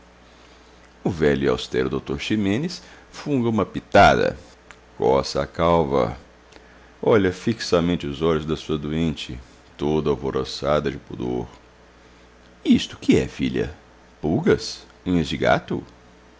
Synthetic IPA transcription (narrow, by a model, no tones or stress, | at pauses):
ʊvɛʎʊia̰wst̪ɛɾʊd̪owt̪oɾʃimẽnɪs | fũɡɐũmɐpit̪ad̪ɐ̰ | kɔsɐakawvɐ̰ | ɔʎɐfiksɐmẽnt͡ʃɪʊzɔʎʊzd̪ɐsuɐd̪uẽnt͡ʃɪ̰ | t̪od̪ʊawvoɾosad̪ɐd͡ʒɪpud̪o̰ɾ | ist̪ʊ̥kɪɛ̰fiʎɐ̰ | puɡɐs | ũezd͡ʒɪɡa̰t̪ʊ̰